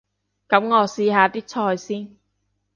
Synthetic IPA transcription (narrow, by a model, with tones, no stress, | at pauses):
kɐ˨˥mŋɔː˨˧siː˧ɦaː˨˧t̪iː˥t͡sʰɔː˧jsiː˥n